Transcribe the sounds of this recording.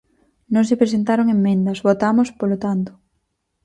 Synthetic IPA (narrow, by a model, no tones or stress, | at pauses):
nõŋsepɾes̬ent̪aɾoŋemːẽnd̪ɐsβot̪amʊspolot̪ant̪ʊ̥